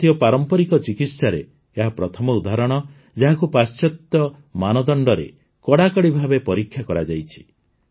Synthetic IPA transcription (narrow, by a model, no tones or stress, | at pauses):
t̪ijɔpaɾɔmpɔɾikɔt͡ʃikit̪saɾeː | ɦapɾɔt̪ʰɔmɔud̪aɾɔɽ̃ɔ | d͡ʒaɦakupast͡ʃɔt̪ːɔ | manɔd̪ɔɳɖɔɾḛ | kɔɽakɔɽibʱabepɔɾikʰːjakɔɾad͡ʒajt͡ʃʰi̥